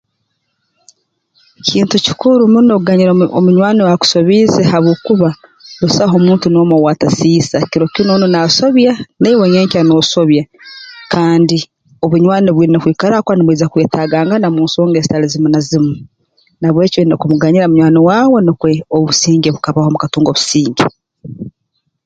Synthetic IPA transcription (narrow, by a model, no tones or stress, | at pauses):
cʰiːntuci̥kuɾumunoɡaɲiɾomuɲwaːnewaku̥so̞βizehaβoːkuβalusaɦo̞muːntuno̞ːmowaːtasiːsaciɾo̞cinonunaso̞βjaneiwojeːɲcano̞so̞βjakʰaːndi | oβuɲwaːneβwiːɾenokwiːkaɾakwaniβwiːzakweːtaɡaːŋɡanamuːnsoːŋɡeːzi̥talizimunazimu | naβwe̞ciβenekumuɡaɲiɾaomuɲwaːnewaːwe̞nokweoβusiːɲɟeβukaβaho̞mukatuːŋɡo̞βu̥siːɲɟe